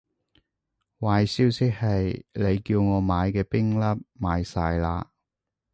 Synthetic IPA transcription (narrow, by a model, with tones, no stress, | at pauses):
waː˨jsiː˥wsɪ˥k̚hɐ˨jle˨˧jkiː˧wŋɔː˨˧maː˨˧jkɛː˧pɪ˥ŋlɐ˥p̚maː˨˧jsaː˧jlaː˧